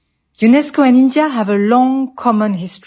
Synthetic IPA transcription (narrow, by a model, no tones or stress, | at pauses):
junɛskoɛ̃nĩndiaɦævəlɔ̃ŋkʰɔmə̃nɦɪst